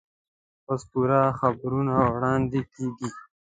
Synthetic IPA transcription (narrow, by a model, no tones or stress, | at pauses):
ospuɾaxabɾunawɽɑːnd̪ikiːɡi